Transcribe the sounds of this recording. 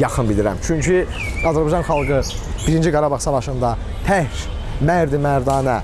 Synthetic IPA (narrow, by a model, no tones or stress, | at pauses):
jɑxɯnbild̪iɾæ̰mt͡ʃʰyɲcʰy | ɑzæɾbɑd͡ʒɑnχɑlˠɡɯ | b̥iɾind͡ʒiɡɑɾɑbɑʁsɑvɑʃɯnd̪ɑ | t̪ʰæhɾ | mæɾd̪imæɾd̪ɑːnæ